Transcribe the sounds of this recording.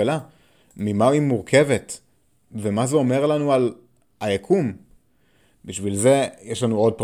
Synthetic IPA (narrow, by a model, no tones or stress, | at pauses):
ela | mimaimuʁkʰe̞vet | vemazeo̞me̞ʁlanual | ajakʰum | biʃvilze̞jeʃlanuo̞d̚p